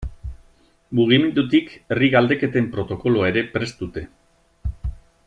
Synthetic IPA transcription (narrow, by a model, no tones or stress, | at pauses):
muɣ̞ime̞nd̪ut̪ikeriɣald̪e̞ke̞t̪empɾo̞t̪o̞ko̞loae̞ɾe̞pɾe̞st̪ut̪e̞